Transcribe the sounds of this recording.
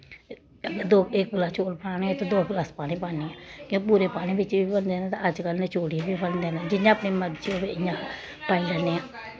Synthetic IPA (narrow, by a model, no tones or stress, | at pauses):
əɡəd̪oːɪk̚ɡəlaːt͡ʃoːlpʰãːnẽːt̪ẽd̪oːɡlaːspaːnĩːpaːniːãːkõːpuːɾeːpaːñĩːbɪt͡ʃʋiːbənd̪eːnãt̪ãːəd͡ʒkəlneːt͡ʃoːɽibiːpəld̪eːnãːd͡ʒɪjãːəpniːməd̪d͡ʒioːʋeɪjãː | paːilɛneːãː